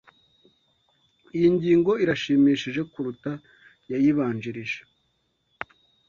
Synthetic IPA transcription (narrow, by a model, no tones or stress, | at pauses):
ijiɲɟiːŋɡo̞iɾaʃiːmiːʃiʒe̞kuɾuta | jajiβaːɲd͡ʒiɾiʒe̥